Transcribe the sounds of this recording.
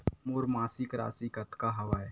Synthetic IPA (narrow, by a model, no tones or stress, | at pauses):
moːɾmaːsikɾa̰ːsikɐt̪kaɦɐʋaːɛ